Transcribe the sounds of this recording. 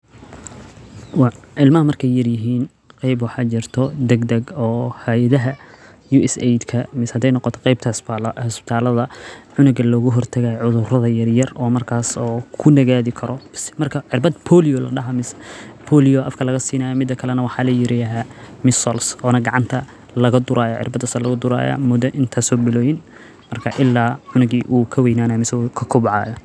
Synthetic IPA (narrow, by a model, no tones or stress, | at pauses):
wɑʕɪlmɐɦɐmɐrkʰɛjːɐrjɪɦiːn | qɑjbwɑħɑːt͡ʃɪrt̪ʰɔd̪ɛɡd̪ɐɡɔːhɐjðɐɦɐ | juːɛsɛjd̪kʰɐmɪshɐd̪ɛjnɔqɔt̪ʰɔ̥qɛjb̚t̪ʰɐhslhɐspɪ̥t̪ʰaːlɐðɐʕʊnʊɡɐlɔːɣʊɦɔrt̪ʰɐɣajʕʊðʊrɐðɐjɐrjɐrɔːmɐrkʰaːsɔːkʰʊnɐɣaːðɪkʰɐɾʔɔsmɐrkʰɐʕɪrbɐd̪pʰɔːlɪjɔlɐ̰ɖɐɦɐmɪspʰɔːlijɔɐfkʰɐlɐɣɐsiːnaːjɔmɪd̪ːɐkʰɐlɛnɐwɑħɑːlɐjɪɾɪjɐɦaːmɪsɔlsɔːnɐɡɐʕɑnt̪ʰɐ | lɐɣɐd̪ʊɾʔaːjɔʕɪ̰rbɐd̪ɐsɐlɐɣʊd̪ʊɾa̰ːja̰ːmʊd̪ɐʔɪnt̪ʰaːsɔːbɪlɔːjɪn | mɐrkʰɐʔɪlːaːʕʊnʊɡiːʔuːkʰɐwɛjnaːnɐmɪsɛkʰɐkʰʊβʕɑ̰ːjɐ